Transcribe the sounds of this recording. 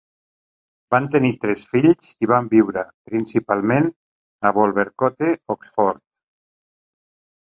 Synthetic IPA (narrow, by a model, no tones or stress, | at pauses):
bant̪enit̪ɾɛsfiʎziβ̞ambiwɾəpɾinsipalˠmen | aβɔlˠβeɾkɔt̪eɔksfɔɾt̪